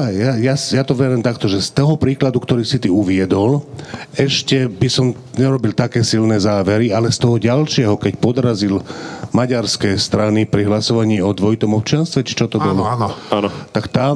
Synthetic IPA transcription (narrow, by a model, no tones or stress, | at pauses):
jajasjat̪ɔʋɛɾɛːmt̪akt̪ɔʒɛst̪ɔɦɔpɾiːklad̪ukt̪ɔɾiːsit̪iuʋɪɛd̪ɔlɛʃcɛbisɔm | ɲɛɾɔbilt̪akɛːsilnɛzaːʋɛɾialɛst̪ɔɦɔɟalʃɪɛɦɔkɛcpɔd̪ɾazilmaɟaɾskɛːst̪ɾanipɾiɦlasɔʋaɲiːɔd̪ʋɔit̪ɔmɔp̚t͡ʃɪanst̪ʋɛt͡ʃi̥t͡ʃɔt̪ɔbɔlɔnaːnɔt̪akt̪a